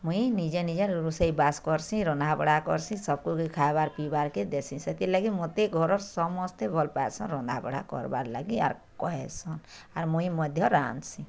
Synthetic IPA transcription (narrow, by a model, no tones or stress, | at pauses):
muĩnid͡ʒenid͡ʒeɾuseibaskɔɾsĩɾɔnd̪abɔɽakɔ̰ɾsĩsɔb̚kukikʰaebaɾpibaɾked̪esĩsɛt̪ilaɡimot̪eɡʱɔɾɔɾsɔmɔst̪ebʱɔlpaesɔ̃ɾɔnd̪abɔ̰ɽa̰kɔ̰ɾba̰ɾla̰ɡia̰ɾkɔɦesɔn | aɾmuĩmɔd̪ʱjɔɾa̰nsĩ